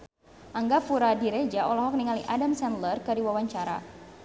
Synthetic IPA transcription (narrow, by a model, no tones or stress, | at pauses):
ʔaŋɡafuɾadiɾed͡ʒaʔɔlɔɦɔk̚niŋalḭʔadamsɛnlərkəɾiwawaɲt͡ʃaɾa̰